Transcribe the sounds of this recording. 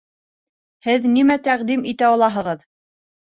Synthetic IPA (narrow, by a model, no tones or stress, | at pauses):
hɘðnimæt̪æqd̪imit̪æɒɑlˠɑɦɤ̆ʁɤð